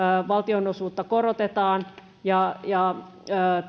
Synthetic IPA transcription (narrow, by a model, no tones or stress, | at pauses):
ʋɑlt̪ionosuːt̪ːɑkoɾot̪et̪ɑːn | jɑjɑː